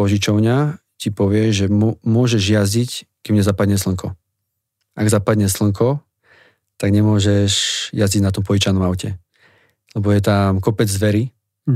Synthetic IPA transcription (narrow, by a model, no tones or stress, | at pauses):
ɔʒit͡ʃɔʊɲa | cipɔʋɪɛʒɛmʊɔʒɛʒjazic | kɛmɲɛzapad̪ɲɛsl̩ŋkɔ | ʔaɡzapad̪ɲɛsl̩ŋkɔ | t̪aɡɲɛmʊɔʒɛʃjaziɟnat̪ɔmpɔʒit͡ʃanɔmaʊcɛ | lɛbɔjɛt̪amkɔpɛd͡zːʋɛɾi